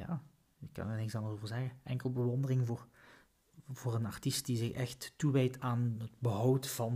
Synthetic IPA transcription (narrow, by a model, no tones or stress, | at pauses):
ja̰ː | kɑ̰nnɪksɑndəzoːvəɹzɛɣəɛŋkəlˠbəʋɔndərɪŋvʊːr | v̥ʊːrənɑrtist̚dizɪxɛxtːuʋejtaːnɦəd̚bəɦɑwtfɑn